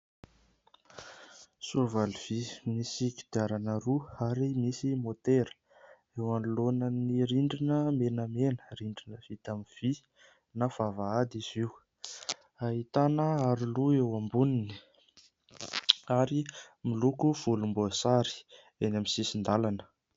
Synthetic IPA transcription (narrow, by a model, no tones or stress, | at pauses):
suvaliv̥imisiki̥d̪iaɾanəɾuaɾimisimot̪eɾə̥ | ewanulonəniɾiɳɖ͡ʐinəmenəmenəɾiɳɖ͡ʐinəv̥it̪amiv̥i | nav̥avaad̪iz̥iw | aɦit̪anəaɾiluewambunini̥ | aɾimilukuv̥ulumbuasaɾi̥ | enamisisind̪alanə̥